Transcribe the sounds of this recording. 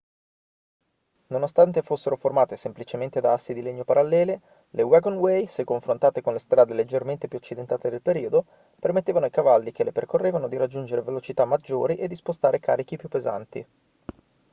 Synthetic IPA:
nonost̪ant̪efosːeɾoformaːt̪esemplit͡ʃement̪ed̪aasːid̪ileɲːopaɾʔalːɛːle | lewɛɡonwejskoɱfɾont̪aːt̪ekonlest̪ɾaːd̪eled͡ʒːerment̪epjuat͡ʃːid̪ent̪aːt̪ed̪elpeɾiːod̪o | permet̪ːeːvanoikavalːik̟eleperkorːeːvanod̪iɾad͡ʒːund͡ʒeɾevelot͡ʃit̪amːad͡ʒːoːɾiʔed̪ispost̪aːɾeka̰ːɾik̟ipːjupːeza̰nt̪ḭ

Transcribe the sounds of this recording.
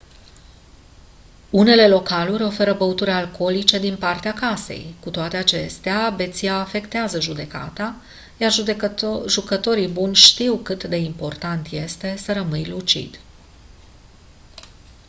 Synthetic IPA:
une̞le̞lo̞kaluɾʲo̞fe̞ɾəbəut̪uɾʲalko̞lit͡ʃe̞d̪inpart̪eakase̞̰jkut̪oat̪e̞at͡ʃe̞st̪eabe̞t̪siaːfe̞kt̪eazəʒud̪e̞ka̰t̪a | jar | ʒukət̪o̞ɾibunʲʃt̪iwkɨt̪d̪e̞impo̞rt̪ant̪je̞st̪e̞səɾəmɨjlut͡ʃḭd̪̥

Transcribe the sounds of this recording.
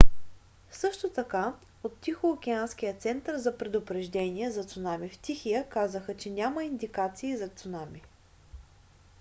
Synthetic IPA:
sɤʃt̪ot̪ɐka | ot̪ːixoːk̟ɛansk̟ijət̪sɛnt̪əɾzɐpɾɛd̪ʊpɾɛʒd̪ɛnʲiɛzɐt̪sʊnamift̪ʲixijəkazəxət͡ʃɛnʲaməind̪ikat̪siːzɐt̪sʊnami

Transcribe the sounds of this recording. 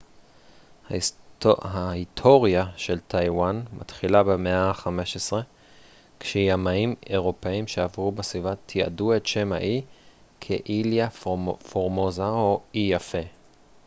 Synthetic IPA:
ha | haitʰoʁjaʃe̞ltʰajwanmʔa̰tχilabemeaχame̞ʃesʁe̞ | kʃejamaimeʁo̞peimʃeavʁubesvivatʰia̰duetʃema̰ʔi | kʰeʔiljafoʁmozaoijafe̞

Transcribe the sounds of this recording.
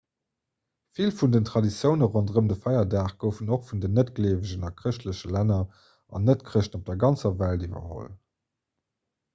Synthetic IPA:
filfundəntʁɑdit͡sjəʊnəʁondʁəmdəfɑɪɐdaːχɡ̥əʊfənoχfundənətɡ̥əleːvəʑənɑkʁəɕtləɕəlænɐ | ɑ̰nətkχəɕnop̚d̥ɛɐɡɑnt͡sɐvæltivɐ̰ho̰l

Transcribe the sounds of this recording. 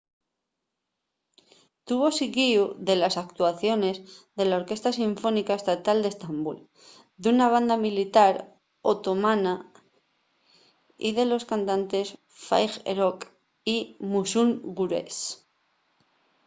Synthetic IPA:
t̪uβo̞sikiuðe̞lasakt̪uaθjo̞ne̞zðe̞lao̞ɾke̞st̪asiɱfo̞nikae̞st̪at̪ald̪est̪ambṵl | d̪unaβ̞and̪amilit̪aɾ | o̞t̪o̞mãna | ḭðe̞lo̞skant̪ant̪e̞s | fa̰jxḛɾok | imusuŋɡuɾḛs

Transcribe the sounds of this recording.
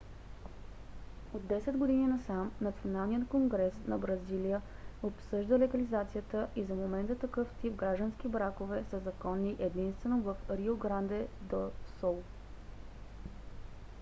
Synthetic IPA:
od̪dːɛsɛd̪ɡod̪ininɐsamnɐt̪sionalˠnijət̪koŋɡɾɛsnɐbɾɐzilijəopsɤʒd̪əlɛɡɐlizat̪sijət̪əʔizɐmomɛnt̪ət̪ɐkɤft̪ipɡɾaʒd̪ənsk̟ibɾakovɛsəzɐkɔnːiʔɛd̪inst̪vɛnovəfɾioɡɾand̪ɛd̪osɔlˠ

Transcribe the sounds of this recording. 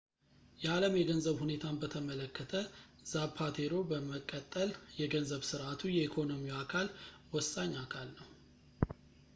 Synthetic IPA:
jɛaləmjɛɡənzəβhune̞t̪ʰanbət̪ʰəmələkʰːət̪ʰə | zapʰat̪ʰeɾo̞bəməkʼːət̪ʼːəljɛɡənzəβsɨɾʔat̪ʰujɛikʰo̞no̞miakʰalwɔsːaɲːakʰalnəw

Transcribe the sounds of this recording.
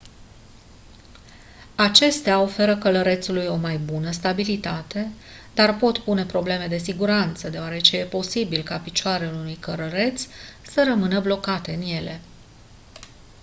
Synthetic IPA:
at͡ʃe̞st̪eao̞fe̞ɾəkələɾe̞t̪sulujo̞majbunəst̪abilit̪at̪e̞d̪arpo̞t̪pune̞pɾo̞ble̞me̞d̪e̞s̬iɡuɾant̪səd̪eoaɾe̞t͡ʃe̞je̞po̞sibilkapit͡ʃoaɾealunujkəɾəɾe̞t̪ssəɾəmɨnəblo̞kat̪e̞ɨnje̞le̞

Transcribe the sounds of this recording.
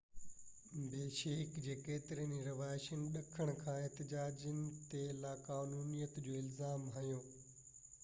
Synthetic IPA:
beːʃeːkd͡ʑeːkeːt̪ɪɾiəniɾɐʋaːɪʃənɪ̆ɗɐkʰəɽ̃ʊkʰãːeɦt̪ɪd͡ʑaːd͡ʑənɪ̆t̪elaːkaːnuːnijət̪d͡ʑoːɪlzaːmɦɐjõː

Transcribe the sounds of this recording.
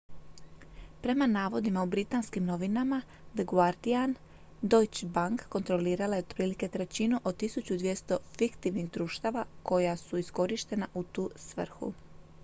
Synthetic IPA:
pɾe̞manaːʋo̞d̪imaubɾit̪aːnskimno̞ʋinama | d̪əɡuaɾd̪ian | d̪o̞jt͡ɕbaŋkːo̞nt̪ɾo̞liːɾalajeot̪pɾiːlike̞t̪ɾe̞t͡ɕinuʔod̪̚t̪isut͡ɕud̪ʋje̞st̪o̞fikt̪iʋniɣd̪ɾuːʃt̪aʋako̞jasuisko̞ɾiʃt̪e̞naʔut̪uːsʋr̩xṵ

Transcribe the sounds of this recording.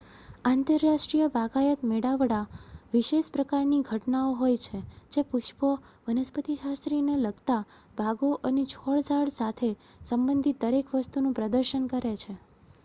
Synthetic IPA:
ãnt̪əɾːaʃʈɾijəbʱaɡajət̪meɽaʋɽaʋiʃeʃpɾəkaɾniɡʱəʈnaoɦojt͡ʃʰed͡ʒepuʃpə | ʋənəspət̪iʃast̪ɾineləɡt̪a | bʱaɡoʔənet͡ʃʰɔɭd͡ʒaɽsat̪ʰe | səmbənd̪ʱit̪̚d̪əɾekʋəst̪unũpɾəd̪əɾʃənkəɾet͡ʃʰe

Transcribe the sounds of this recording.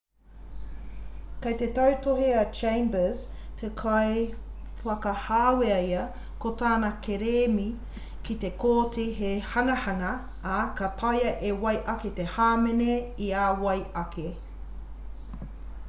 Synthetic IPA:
kɐjt̪et̪ɐwtoɦiɐt͡ʃẽjmbəztʰekʰaj | fɐkɐhaːweɐjɐ | kotaːnɐkʰeɾeːmi | kit̪ekoːtʰeɦehɐŋɐhɐŋɐː | kɐtʰɐjɐʔewɐjʔɐket̪ehaːmeneiaːwɐjɐkʰe

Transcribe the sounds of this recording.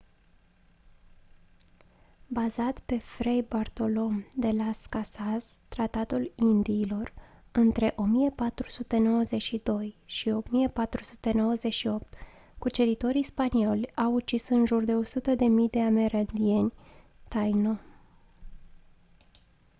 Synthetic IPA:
bazat̪pe̞fɾejbart̪o̞lo̞md̪e̞laskasazt̪ɾat̪at̪ulind̪iːlo̞rɨnt̪ɾe̞ʔo̞mijepat̪ɾusut̪e̞no̞wəze̞ʃid̪o̞jʃio̞mijepat̪ɾusu̥t̪e̞no̞wəze̞ʃio̞p̚t̪ | kut͡ʃe̞ɾit̪o̞ɾispanio̞lʲawut͡ʃisɨnʒurd̪e̞o̞sut̪əd̪e̞mijd̪e̞ame̞ɾand̪ie̞nʲ | t̪ajno̞

